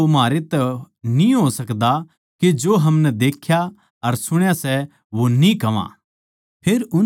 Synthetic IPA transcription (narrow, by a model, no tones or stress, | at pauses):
omɦaːɾet̪ɛ | nĩɦosɐkd̪a | ked͡ʒoːɦɐmnɛd̪eːkʰja | ɐɾsʊɽ̃jasɛ | ʋonĩkɐʋã̰ː | pʰeːɾʊ